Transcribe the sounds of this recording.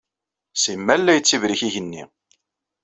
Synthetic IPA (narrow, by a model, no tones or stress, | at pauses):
simːælːæjət͡sːivɾiçiʝənːḭ